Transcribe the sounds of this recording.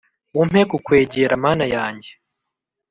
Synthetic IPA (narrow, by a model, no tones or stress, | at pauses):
um̥ekukweːɟeɾamaːnajaːɲɟe